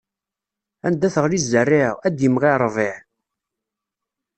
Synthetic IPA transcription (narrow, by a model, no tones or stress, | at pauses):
ænd̪æθəʁlizːərːɪʁæd̪jimʁiɾˤvɪʕ